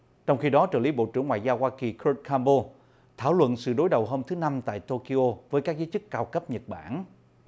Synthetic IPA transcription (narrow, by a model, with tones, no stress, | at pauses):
t͡ɕɔ˧wŋ͡mxi˧ɗɔ˨˦t͡ɕəː˧˩li˨˦ɓo̰˧˨t͡ɕɨ˧˩əŋwaː˧˨jzaː˧whwaː˧ki˨˩kʰə˧˥t̚kaː˧mɓo˧ | t̪ʰaː˧˩wlwə̰˧˨nsɨ̰˧˨ɗo˨˦jɗə˨˩wɦoː˧mt̪ʰɨ˨˦na˧mt̪a̰ː˧˨jt̪o˧ki˧ʔo˧vəː˨˦jkaː˦˥k̚zəː˨˦t͡ɕɨ˦˥kːaː˧wkə˦˥p̚ɲə˨˩t̚ɓaː˧˩n